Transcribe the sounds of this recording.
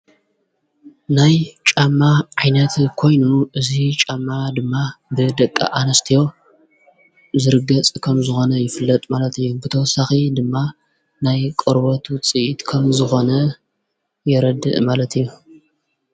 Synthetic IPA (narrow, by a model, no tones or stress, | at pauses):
najt͡ʃʼamːaʕajnɐt̪kʰo̞jnuʔɨzit͡ʃʼamːad̪ɨmːabɨd̪ɐkʼːa̰ʔanɐst̪ʰijo̞ | zɨɾɨɡɐt͡sʼkʰɐmzɨxo̞nɐjɪfɨlːɐt̪ʼmalɐt̪ɨjːubɨt̪ʰɐwɐsaxid̪ɨmːa | najkʼɨɾbɐt̪t͡sʼɨʔit̪kʰɐmzɨxo̞nɐ | jɛɾɐd̪ɨ̰ʔmalɐt̪ʰɨjːu